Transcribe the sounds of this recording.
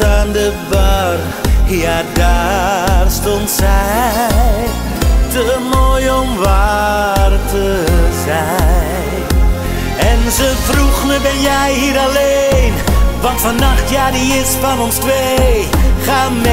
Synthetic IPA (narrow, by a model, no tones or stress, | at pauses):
taːndəbɑr | jaːdaːrstɔntsɛj | təmoːjɔmʋa | rtə | zɛ | jj | n | ɛnzəvruχnəbɛnjɛjhiːɾalenvɑntfɑnaχtjaːdiɪsfɑnɔnstʋe | χaːmɛ